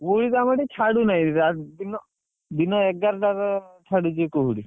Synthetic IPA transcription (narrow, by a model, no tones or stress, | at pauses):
uɽit̪amaɽiʈʰaɽunaiad̪inɔ | d̪inɔɛk̚ɡaɾʈaɾʈʰaɽud͡ʒekoɦuɽi